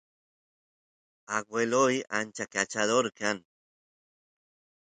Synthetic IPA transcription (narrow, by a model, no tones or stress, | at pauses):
aɡwelojant͡ʃakat͡ʃaðoɾkan